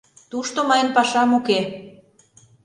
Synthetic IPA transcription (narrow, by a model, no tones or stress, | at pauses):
t̪uʃt̪omɑjənpɑʃɑmuke